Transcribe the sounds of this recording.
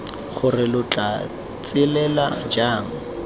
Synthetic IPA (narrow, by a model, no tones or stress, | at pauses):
χʊrɪlʊt͡ɬʼa | t͡sʼɪlɛla̰d͡ʒaːŋ̩